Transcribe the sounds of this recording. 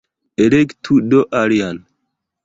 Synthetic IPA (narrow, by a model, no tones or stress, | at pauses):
eɾektʰudoʔaɾijan